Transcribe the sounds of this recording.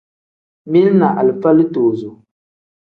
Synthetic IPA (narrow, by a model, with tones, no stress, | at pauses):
mi˦lna̰˨ʔa˨lɨ˨pa˦lɨ˦toː˨zo˨